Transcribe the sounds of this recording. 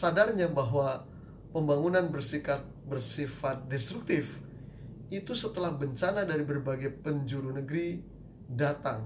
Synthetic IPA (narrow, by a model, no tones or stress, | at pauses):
sadarɲabaɦwa | pəmbaŋunanbərsikat̪̚bərsifat̪̚dɛst̪ɾuk̚t̪ɪf | it̪usət̪əlahbəɲt͡ʃanadaɾibərbaɡajpəɲd͡ʒuɾunəɡɾi | dat̪aŋ